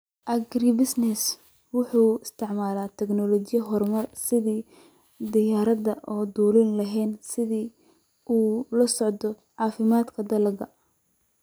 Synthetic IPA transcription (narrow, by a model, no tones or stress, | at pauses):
ʔɐɡribɪsnɛs | wʊħuːɪst̪ʰɪʕmaːlaːt̪ʰɛɡnɔlɔt͡ʃɪjɐɦɔrmɐrsɪðiː | d̪ɪjaːɾɐd̪ɐʔɔːd̪uːlɪnlɐɦɛːnsɪðiː | ʔuːlɐsɔʕd̪ɔ | ʕɑːfɪmaːd̪kʰɐd̪ɐlɐɡɐ